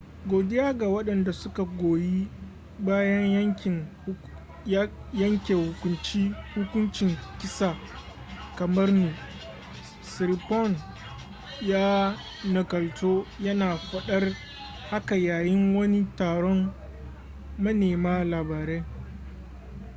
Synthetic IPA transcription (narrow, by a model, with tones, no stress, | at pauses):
ɡʷoː˨dɪ˦jaː˦ɡa˨wɐ˦ɗɐ˨nda˨sʊ˦ka˨ɡʷoː˨ji˦ | baː˦jɐ˦ɲjɐ˦ŋʲɪ˨ | jɐ˦ŋkʲeː˨hʊ˨kʷʊ˦nt͡ʃiː˦hʊ˦kʷʊ˦nt͡ʃɪ˨ŋkʲɪ˦saː˨ | kɐ˨mɐ˦rnuː˨ | sɪ˨ɾpɔ˦˨n | jaː˦ | nɐ˨kɐ˨ltoː˦jɐ˦naː˨ɸʷɐ˨ɗɐ˦r | ha˦ka˨jaː˨jɪ˦ŋwɐ˦ni˦taː˨ɽɔ˦m | ɐ˦neː˨maː˦laː˨baː˨ɾeː˦